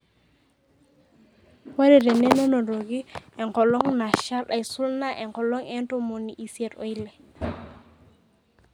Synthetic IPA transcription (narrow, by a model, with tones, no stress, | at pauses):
wa˦ɾe˨de˨ne˦na˦no˨ɾo˨ɡi˦e˨ŋko˨lo˦ŋna˨ʃa˦la˨jsu˦lna˦ʔe˨ŋkɔ˨lo˦ŋe˦nto˦mo˨ni˨ʔi˨si˦e˨to̰˦i˦le˨